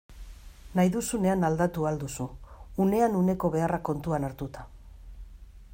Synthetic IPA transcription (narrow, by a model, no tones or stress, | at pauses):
najðusune̞anald̪at̪uald̪usuːne̞anune̞ko̞βe̞arako̞nt̪uanaɾt̪ut̪ḁ